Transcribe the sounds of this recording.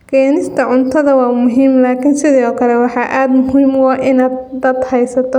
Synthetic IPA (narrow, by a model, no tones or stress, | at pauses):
kʰɛːnɪst̪ʰɐʕʊnt̪ʰɐðɐwɑːmʊɦiːmlaːkʰɪnsɪðɔːkʰɐlɛwɑħɑʔaːd̪mʊɦiːmwɑːʔɪnaːd̪̚d̪ɐd̪hɛjsɐt̪ʰɔ